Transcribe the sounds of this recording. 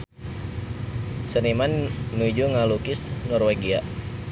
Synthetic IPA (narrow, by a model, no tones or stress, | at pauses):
sənimannud͡ʒuŋalukɪsnɔrweɡia